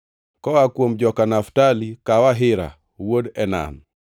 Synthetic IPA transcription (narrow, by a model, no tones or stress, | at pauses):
kɔwakwomd͡ʒɔkanaftalikawaɦɪɾa̰ | wodɛna̰n